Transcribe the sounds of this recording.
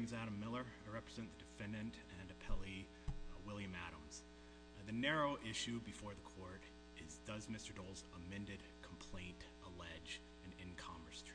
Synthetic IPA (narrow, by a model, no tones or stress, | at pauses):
mzæɾɨ̃mːɪlˠə˞ɨɹɛpɹɨzɛ̃nðɨdɨfɛ̃ndɨ̃ntɨ̃nɨpʰɛlˠi | wɪlˠjɨ̃mæ̰ɾə̰̃mz̥ | ðɨnɛɹoʊʔɪʃʉbɨfɔɹðəkʰɔɹɾ | ɪzðʌzmɪstə˞doʊlˠzəmɛ̃ndɨd̚kʰm̩pʰl̥ẽɪ̃ntʔəlɛd͡ʒ | ɨ̃nɪ̃nkʰɑ̃ɱə˞stʰ